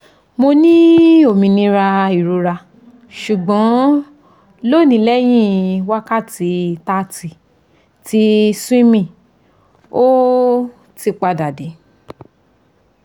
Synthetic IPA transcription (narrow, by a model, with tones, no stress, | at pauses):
mo˧nĩ˦o˦˨mĩ˧˨nĩ˧ɾa˧i˨ɾu˧ɾa˧ | ʃu˨ɡ͡bɔ̃˨˦ | lo˦˨nĩ˨˧˦lɛ˦j̃ĩ˦wa˦ka˦˨ti˧ta˦ti˨ | ti˧sĩ˦mĩ˦˨ | o˦ | ti˧k͡pa˧da˨de˨˦